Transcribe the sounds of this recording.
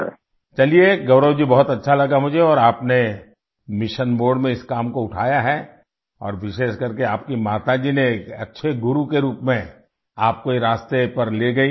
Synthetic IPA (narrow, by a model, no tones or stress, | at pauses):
t͡ʃɐlieɡɐʊɾəwd͡ʒibɔɦʊt̪ɐtːʃʰalɐɡamʊd͡ʒʱeɔːɾaːpne | mɪʃənboːɾɖmẽɪskaːmkoʊʈʰaːjaɦɛ | ɔ̰ːɾʋɪʃeːʃkɐɾkeaːpkimaːt̪ad͡ʒineːkɐtːʃʰeɡʊɾukeɾuːpmẽ | aːp̚koiɾaːst̪epɐɾleɡɐi